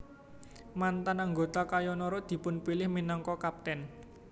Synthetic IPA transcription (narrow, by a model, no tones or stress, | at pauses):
mant̪anaŋɡot̪akajɔnɔɾɔd̪̥i̤pʊnpilɪhminɔŋkɔkap̚t̪ɛn